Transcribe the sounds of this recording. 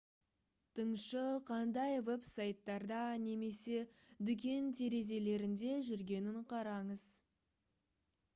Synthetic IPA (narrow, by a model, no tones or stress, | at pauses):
t̪ʰəɴʃəqʰɑnd̪ɑjve̞psajt̪ːɑɾd̪ɑne̞me̞se̞d̪ʏk̬ʲe̞nt̪ʰe̞ɾe̞ze̞le̞ɾɪnd̪e̞ʒʏɾɡʲe̞nɪɴqʰɑɾɑɴəz̥